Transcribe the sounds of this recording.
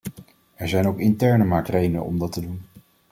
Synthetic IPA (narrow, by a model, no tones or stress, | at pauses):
ɛɹzɛjnowkɪntɛɹnəmɑɹk̚trejdənə̰nɔ̰mdɑtədun